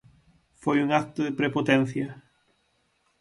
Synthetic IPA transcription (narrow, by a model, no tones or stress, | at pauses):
fojuŋak̚t̪ʊðɪpɾepot̪ẽn̟θjɐ